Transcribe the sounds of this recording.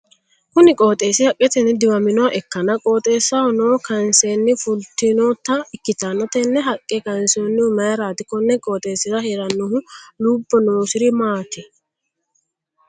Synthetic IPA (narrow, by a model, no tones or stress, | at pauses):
kʊnɪkʼo̞ːt̪ʼe̞ːsɪhɐkʼːɛt̪ɛnːɛd̪ɪwɐmɪnɔwɐʔɛkːɐnɐkʼoːt̪ʼe̞ːsːɐɔnoːkɐnseːnːɪfʊlt̪ɪnoːt̪ːɐɪkːɪt̪anɐt̪ɛnːɛɦɐkʼːɛkɐnsoːnːɪʊmɐjɾaːt̪ɪkɔnːɛkʼoːt̪ʼe̞ːsɪɾɐheːɾɐnːʊhʊluːbːɔnoːsɪɾɪmaːt̪ɪ